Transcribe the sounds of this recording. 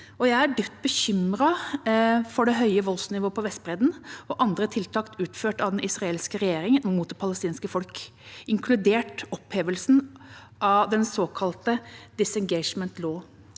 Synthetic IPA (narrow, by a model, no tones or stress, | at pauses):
ɔjæɪæɖʏt̪ːbəçʏmɾɑ | fɔɖɛɦœʏəʋɔlsnɪʋoːpʰɔʋɛst̪̚bɾɛːd̪n̩ɔʔɑnd̪ɾət̪ʰɪlt̪ʰɑːkt̪ʉːt̪føːʈɑʋd̪ɛnɪsɾɑeːlskəɾɛjeːɾɪŋənmuːt̪pʰɑləst̪iːnskəfɔlk | ɪŋkʰlʉd̪eːʈɔpheːʋəlsn̩ | ʔɑd̪ɛnsoːkʰɑlt̪əd̪̥ɪsɛŋɡɛɪʂmɛnt̪loː